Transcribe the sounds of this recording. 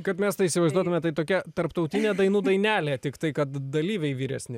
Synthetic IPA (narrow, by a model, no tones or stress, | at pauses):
kɐt̪mʲɛst̪ɐɪiːsʲɪʋɐɪzd̪uɔt̪ʊmʲɛt̪ɐɪt̪oːkʲɛt̪ɐɾpt̪ɐʊt̪ʲɪnʲeːd̪ɐɪnuːd̪ɐɪnʲæːlʲeːt̪ʲɪkt̪ɐɪkɐt̪d̪ɐlʲiːʋʲɛɪʋʲiːɾʲɛ̰sʲnʲɪ